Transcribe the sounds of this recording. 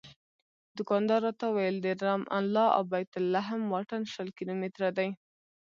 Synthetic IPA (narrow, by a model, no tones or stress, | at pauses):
d̪ʊkɑnd̪ɑɾɑt̪awajəld̪eɾamʔa̰nlɑa̰wbajt̪ʊlːaɦəmwɑʈanʃəlkilomɪt̪ɾad̪aj